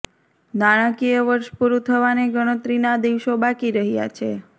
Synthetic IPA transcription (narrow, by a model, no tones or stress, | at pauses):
naɽ̃ãkijəʋəɾʃpuɾut̪ʰəʋaneɡəɽ̃ət̪ɾinad̪iʋʃobakiɾəɦja̰t͡ʃʰe